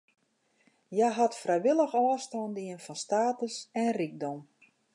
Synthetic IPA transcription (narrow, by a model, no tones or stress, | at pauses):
jajɦatfrɛjʋɪlˠəxɔːstɔndiənfɔnstaːtəsɛnrik̚dɔm